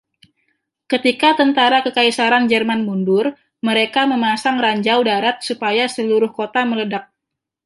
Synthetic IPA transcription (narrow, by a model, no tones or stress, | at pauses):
kət̪ikat̪ənt̪aɾakəkaisaɾand͡ʒərmanmundʊr | məɾekaməmasaŋraɲd͡ʒawdaɾat̪̚supajasəluɾʊhkot̪amələdak̚